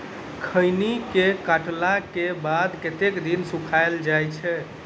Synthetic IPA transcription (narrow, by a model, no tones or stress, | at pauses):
kʰəjnikekaʈlakebad̪ket̪ekd̪insukʰaeld͡ʒajt͡ʃʰɛ